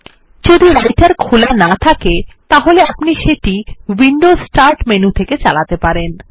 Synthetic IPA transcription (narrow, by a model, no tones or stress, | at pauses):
d͡ʑod̪iɾajʈaɾkʰulanat̪ʰaket̪aɦoleapniʃeʈiwiɳɖosʈaɾʈmenut̪ʰeket͡ɕalat̪epaɾen